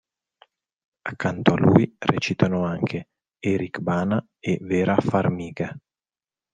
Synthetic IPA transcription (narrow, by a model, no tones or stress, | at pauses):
akːant̪oalṵːjrɛ̰t͡ʃit̪anoaŋkʰe | ɛɾikbaːna | evɛːɾʔafarmiːɡa